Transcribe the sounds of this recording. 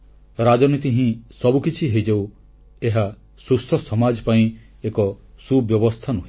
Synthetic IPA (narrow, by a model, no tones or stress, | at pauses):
ɾad͡ʒɔnit̪iɦĩsɔbukit͡ʃʰiɦeid͡ʒew | eɦa | susɔsɔmad͡ʒɔpaĩ | ekɔsubjɔbɔst̪ʰanɔɦĩ